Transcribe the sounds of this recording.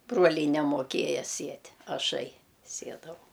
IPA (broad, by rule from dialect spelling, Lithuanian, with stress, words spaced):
ˈbruɔlʲɛɪ nʲɛmoːˈkʲeːjɛ ˈsʲiɛtʲ ɐˈʃɐɪ ˈsʲiɛdɐʋɐʊ